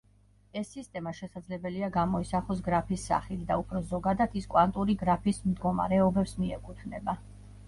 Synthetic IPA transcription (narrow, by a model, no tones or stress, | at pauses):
ɛsːist̪ʼɛmaʃɛsad̪zlɛbɛliaɡamɔisaχɔs̬ɡɾapʰisːa̰χit̪d̪aupʰɾɔzɔɡad̪ad̪iskʼwant̪ʼuɾiɡɾapʰismd̪ɡɔma̰ɾɛɔbɛpsmiɛkʼut̪ʰnɛ̰ba